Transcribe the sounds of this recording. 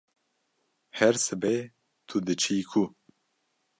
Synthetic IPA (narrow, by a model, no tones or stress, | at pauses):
hɛɾsɨbɛ | t̪ʰud̪ɨt͡ʃʰikʰu